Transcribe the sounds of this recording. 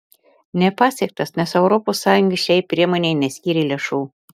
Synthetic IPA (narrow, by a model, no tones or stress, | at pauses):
nʲɛpɑːsʲɛk̚t̪ɐsnʲɛsɛʊɾoposːɑːjʊŋɡɐʃʲɛɪpʲɾʲiɛmoːnʲeɪnʲɛsʲkʲiːɾʲelʲeʃuː